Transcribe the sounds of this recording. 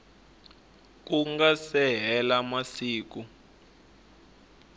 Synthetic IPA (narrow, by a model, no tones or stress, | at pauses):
k̬uŋɡasɛɦɛlamasiːk̬u